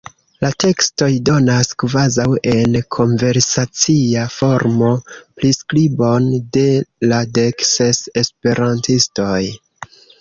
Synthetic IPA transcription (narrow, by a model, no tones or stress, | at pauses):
late̞ksto̞jdo̞naskvazawe̞nkʰo̞nve̞ɾsat͡siafo̞ɾmo̞pliskɾibo̞nde̞lade̞ksesespe̞ɾantisto̞j